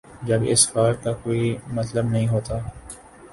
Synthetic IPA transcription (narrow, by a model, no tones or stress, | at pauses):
d͡ʒɐbɪ̰sfaːɾkakoːimɐt̪ləbnɐɦĩɦoːt̪aː